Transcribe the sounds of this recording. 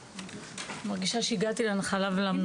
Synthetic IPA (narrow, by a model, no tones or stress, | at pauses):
maʁɡiʃaʃeiɡat̪ileanχalavelamn